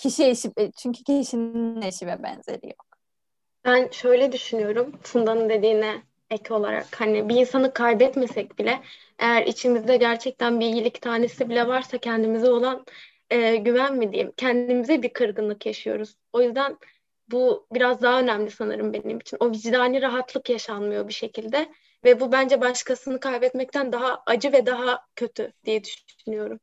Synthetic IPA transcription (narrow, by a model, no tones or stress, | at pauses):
cʰiʃieʃit͡ʃʰyɲcʰycʰiʃinineʃibɛbɛ̰nz̥ḛɾʲḭjo̰k̚ | b̥ænʃø̞jlʲɛd̪yʃynyjo̞ɾumsund̪anɯnd̪e̞d̪iːnɛ | ɛco̞lˠa̰ɾa̰khanibiːnsanɯkʰajbɛt̪mesɛc̚bilʲɛ | ʔḛjæɾḭt͡ʃʰimizd̪ɛɟæɾt͡ʃʰɛc̚t̪ʰænbijilʲict̪ʰaːnesibilʲɛvaɾsacʰɛnd̪imizɛo̞lˠan | ɯːɟyvænmid̪ejḭmcʰɛnd̪imizɛbiɾkʰɯɾɡɯnlˠɯkjaʃɯjo̞̰ɾuz̥o̞jyzd̪æn | bubiɾazd̪aɦaø̞næmlʲisanɯ̰ɾɯmbe̞nimit͡ʃʰino̞vid͡ʒd̪aːnʲiɾaɦat̪lˠɯkjaʃanmɯjo̞biʃe̞cʰilʲd̪ɛ | vɛbubænd͡ʒɛbaʃkasɯnɯkʰajbɛt̪mɛc̚t̪ʰænd̪aɦaad͡ʒɯvɛd̪aɦacʰø̞t̪ʰyd̪̥ijɛd̪yʃ | ynyjo̞ɾum